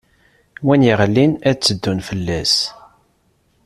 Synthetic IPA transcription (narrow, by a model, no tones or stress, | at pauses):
wænjiʁlːinæt͡sːəd̪ːunfəlːæs